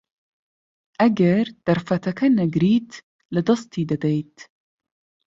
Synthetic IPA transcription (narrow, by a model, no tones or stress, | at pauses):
ʔaɡaɾd̪̥aɾˤfat̪akanaɡɾiːt̪ | lɪd̪ɑst̪id̪ad̪ejt̪